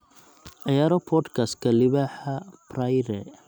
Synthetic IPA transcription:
ʔɑjaːɾɔpʰɔd̪kʰast̪kʰɐlɪβaːħɐprajɾɛ

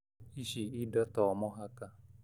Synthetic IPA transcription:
iʃiidɔtɔmɔɦaka

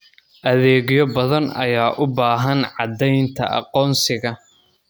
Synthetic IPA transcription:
ʔɐðɛːɣjɔbɐðɐnɐjaːʔʊbaːɦɐnʕɑd̪ɛjnt̪ʰɐ̰ʔɑ̰qɔːnsɪɣɐ

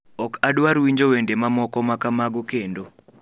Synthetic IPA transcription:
ɔkaɗwaɾwiɲd͡ʒowendemamɔkɔmakamaɡokendo

